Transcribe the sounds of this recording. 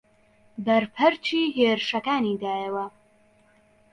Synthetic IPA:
bɐɾpʰɐɾt͡ʃiːɦeːɾɨʃɐkaːniːd̪aːjɐwɐ

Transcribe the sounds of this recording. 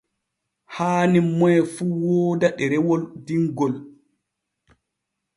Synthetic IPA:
haːnimːɔɛfuwɔːdaɗɛɾɛwɔldiŋɡɔl

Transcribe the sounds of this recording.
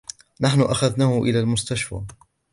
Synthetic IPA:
naħnʊʔaxaðnaːhʊʔɪlaːlmʊst̪aʃfa̰

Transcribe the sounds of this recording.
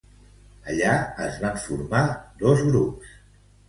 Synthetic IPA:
əʎaəzβaɱfṵɾmad̪ɔzɣɾups

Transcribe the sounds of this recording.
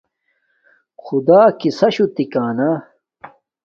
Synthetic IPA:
xud̪aːkisɐɕut̪ikaːnɐ

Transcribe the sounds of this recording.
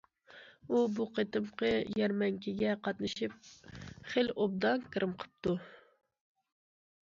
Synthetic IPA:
ubuqʰet̪ɨmqʰəjɛɾmɛŋkʲʰiɡʲɛqʰɑt̪nɨʃip̚χelob̚d̪ɑnkʲʰɨɾɨmqʰə̥p̚t̪u

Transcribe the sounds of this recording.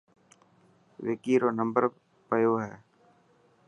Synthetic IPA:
ʋɪkiːɾoːnəmbəɾ | pəjoːɦɛː

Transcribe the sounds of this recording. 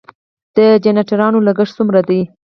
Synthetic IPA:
d̪̥əd͡ʒanaʈaɾɑnolaɡəʂsumɾad̪a

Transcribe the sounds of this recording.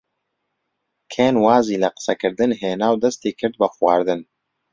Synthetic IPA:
kʰeːnwaːziːlɐqɨ̥sɐkɨɾd̪ɨnɦeːnaːwd̪ɐst̪eːkʰɨɾd̪̚bɐxwɑːɾd̪ɨn

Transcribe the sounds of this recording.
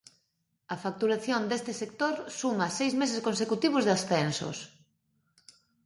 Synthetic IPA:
ɐfak̚t̪uɾaθjond̪est̪ɪsek̚t̪oɾsumɐsejzmes̬eskonsekut̪iβ̞ʊzðasθenso̰s

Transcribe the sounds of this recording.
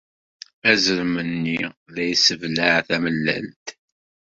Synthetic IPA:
æzəɾmənːiðæjsəvlæʕθæməlːæ̰lt̪

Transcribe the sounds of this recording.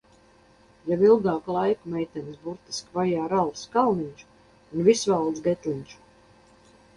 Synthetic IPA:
jabilˠɡɑːklˠajkumɛjt̪ɛnsbuɾt̪i̥skvajaːɾalˠskalˠniɲʲt͡ʃu̥ | unvisvalˠd̪zɡɛt̪lʲiɲʲt͡ʃu̥

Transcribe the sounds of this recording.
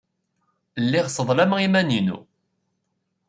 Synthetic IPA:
lːiʁsəðˤlæməimæninṵ

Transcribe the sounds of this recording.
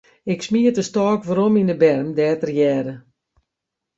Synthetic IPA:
ɪksmiətəstɔːkʋaɾominəbɛrmdɛːtərjɛːɾə

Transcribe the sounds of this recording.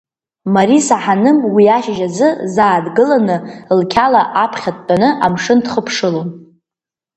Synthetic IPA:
maɾisaħanɨmwiaʃʒad͡zɨzaːdɡɨlanɨlkʲʰalaʔapʰχʲat̚ʷʼanɨʔamʂɨndχəpʰʂɨlon

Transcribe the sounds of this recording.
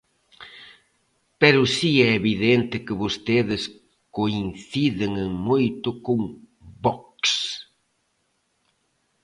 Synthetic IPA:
pɛɾʊsiɛeβiðent̪ɪkɪβost̪eðɪs | koinθiðɪŋeŋmojt̪ʊkoŋ | bɔks

